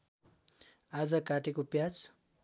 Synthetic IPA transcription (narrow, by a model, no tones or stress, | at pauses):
ad͡zʌkaʈekopjat͡s